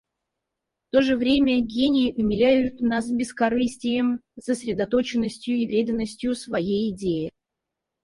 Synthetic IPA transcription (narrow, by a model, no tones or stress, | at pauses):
ft̪o̞ʐɨvɾʲemʲəɡʲenʲɪjɪʔʊmʲɪlʲæjʊt̪nas̬bʲɪskɐɾɨsʲtʲɪjəmsəsʲɾʲɪd̪ɐt̪o̞t͡ɕɪnːəsʲtʲjʊɪpɾʲed̪ənːəsʲtʲjʊsvɐjejɪdʲejɪ